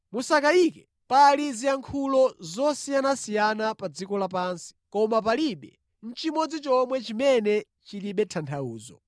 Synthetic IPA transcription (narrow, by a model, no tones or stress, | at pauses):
musakaikɛ | paliziaŋkʰulɔzɔsijanasijanapad͡zikɔlapaːnsi̥kɔmap̬aliɓɛ̰ | n̩t͡ʃimɔd͡zit͡ʃɔmwɛt͡ʃimɛnɛ | t͡ʃiliɓɛtʰantʰauːzɔ̰